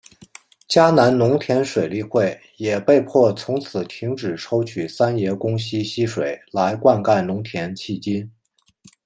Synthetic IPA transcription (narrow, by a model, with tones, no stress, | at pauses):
t͡ɕja˥na˧˥nnʊ˧˥ŋt̪ʰjɛ˧˥nʂwe˨˩ɪli˥˧xwe˥˩ɪ | jɛ˨˩pe˥˧ɪpʰwɔ˥˩t͡sʰʊ˧˥ŋt͡sʰɹ̩˨˩t̪ʰi˧˥ŋʈ͡ʂɻ̩˨˩ʈ͡ʂʰo˥ʊt͡ɕʰy˨˩sa˥njɛ˧˥kʊ˥ŋɕi˥ɕi˥ʂwe˨˩ɪla˧˥ɪkwa˥˧nka˥˩ɪnʊ˧˥ŋt̪ʰjɛ˧˥nt͡ɕʰi˥˩t͡ɕi˥n